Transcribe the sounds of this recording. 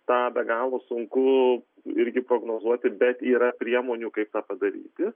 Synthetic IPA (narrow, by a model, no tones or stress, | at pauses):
t̪ɑːbʲɛɡɑːlˠoːsʊŋkʊ | ɪɾʲɡʲɪpɾoːɡnoːzuɔt̪ʲɪbʲɛt̪iːɾɐpʲɾʲiɛmoːnʲuːkɐɪp̚t̪ɑːpɐd̪ɐɾʲḭːt̪ʲɪ